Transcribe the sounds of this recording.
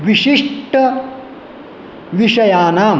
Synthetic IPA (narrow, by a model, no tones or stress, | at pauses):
ʋiʃiʂʈɐ | ʋiʂɐjaːnaːm